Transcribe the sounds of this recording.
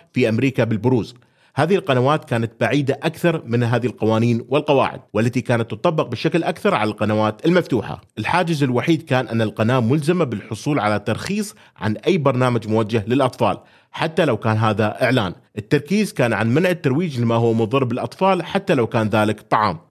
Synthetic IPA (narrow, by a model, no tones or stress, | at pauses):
fiʔamɾiːkabɪlbʊɾuːz | haːðɪɪlqɑnawaːt̪kaːnat̪̚baʕiːd̪aʔakθɑɾˤmɪnɦaːðɪhɪlqɑwaːniːnwɪlqɑwa̰ːʕɪ̰d̪̚wʔalːat̪ikaːnat̪ːʊt̪ˤɑbːɑq̚bɪʃaklʔakθɑɾˤʕalalqɑnawaːt̪ɪlmaft̪uːħa̰ʔɪlħaːd͡ʒɪzɪlwaħiːd̪kaːnʔanːalqɑnaːmːʊlzɪmabɪlħʊsˤuːlʕalat̪ːɑɾˤxiːsˤ | ʕa̰nʔajːbɑɾˤnaːmad͡ʒmʊwad͡ʒːahlɪlʔɑt̪ˤfɑ̰ːl | ħat̪ːalawkaːnɦaːðaʔɪʕlaːn | ʔɪt̪ːɑɾˤkiːzkaːnʕanmanʕɪt̪ːɑɾˤwiːd͡ʒlɪmaɦʊwːmʊðˤɨɾˤbɪlʔɑt̪ˤfɑːlħat̪ːalawkaːnðaːlɪkt̪ˤːɑʕɑ̰ːm